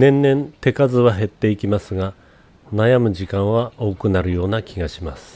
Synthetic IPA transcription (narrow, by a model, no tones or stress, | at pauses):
nẽ̞nːẽ̞nt̪e̞kazɨβaɦe̞t̪ːe̞ikʲimasɨɡa | najamɯ̟ʑikãɰ̃βao̞ːkɯ̟naɾɯ̟jo̞ːnakʲiɡaɕimasɨ̥